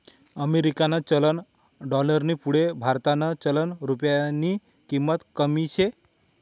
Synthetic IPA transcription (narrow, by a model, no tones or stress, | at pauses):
əmeɾikanat͡ɕələn | ɖɔləɾnipuɽebʱaɾt̪anət͡ɕələnɾupjani | kimːət̪kəmiɕe